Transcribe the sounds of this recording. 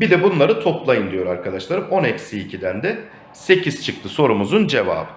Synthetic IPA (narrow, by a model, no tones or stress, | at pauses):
bid̪ɛbunlˠaɾɯt̪ʰo̞plˠajɯnd̪ijo̞ɾaɾkʰad̪aʃlˠaɾɯmo̞necsiːcʰid̪ænd̪ɛ | se̞ciz̥t͡ʃʰɯk̚t̪ʰɯso̞ɾumuzund͡ʒe̞va̰ːbɯ